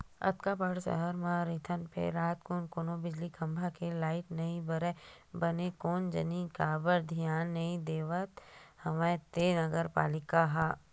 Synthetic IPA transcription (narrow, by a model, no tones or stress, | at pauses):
ɐ̰t̪kapəɽsə̰ɦəɾmãɾɪːt̪ʰənpʰḛɾːaːt̪koːnkonõbɪd͡ʒlikʰɐ̃mbʱakelaːɪʈnɐɦĩbɐɾe | bɐnekoːnd͡ʒɐ̰nĩkabəɾd̪ʱijaːnːɐĩd̪eːʋət̪hɐmẽt̪eːnɐɡəɾpa̰ːlɪkaɦaː